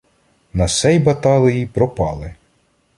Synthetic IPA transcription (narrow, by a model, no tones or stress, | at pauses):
nɐsɛjbɐt̪ɑlˠɪjipɾɔpɑlˠɪ